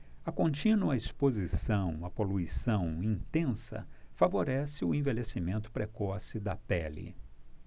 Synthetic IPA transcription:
ɐkõnt͡ʃĩnuɐispozisɐ̃w̃ɐpoluisɐ̃w̃ĩt̪ẽsɐ̰favoɾɛsɪʊẽvelesimẽnt̪ʊ̥pɾekɔsɪd̪ɐpɛlɪ̰

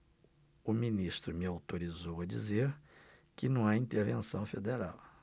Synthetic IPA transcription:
ʊminist̪ɾʊmɪawt̪oɾizowɐd͡ʒḭzeɾ | kɪnɐ̃w̃aĩt̪eɾvẽsɐ̃w̃fed̪eɾaw

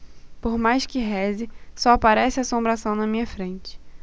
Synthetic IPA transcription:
poɾmajskɪɦɛzɪsɔapaɾɛsɪasõmbɾasɐ̃w̃nɐmĩɲɐfɾẽnt͡ʃɪ̥

